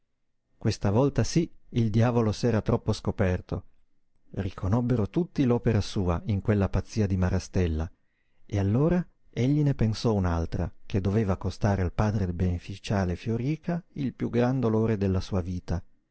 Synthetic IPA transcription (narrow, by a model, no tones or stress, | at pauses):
kwest̪avɔlt̪asiild̪jaːvolosɛːɾat̪ɾʔɔpːoskopɛrt̪o | rikʰonɔbːeɾot̪ut̪ːilɔːpeɾasuːaiŋkwelːapat̪sːiːad̪imaɾʔast̪ɛlːa | ealːoːɾa | eʎːinepensɔunalt̪ɾa̰k̟ed̪ːoveːvakost̪aːɾealpaːd̪ɾebenefit͡ʃaːlefjoɾiːkʰailpjuɡɾand̪oloːɾed̪elːasuːaviːt̪a